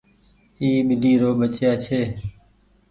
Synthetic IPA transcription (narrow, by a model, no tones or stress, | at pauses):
iːmɪliːɾoːbət͡ʃjaːt͡ʃʰeː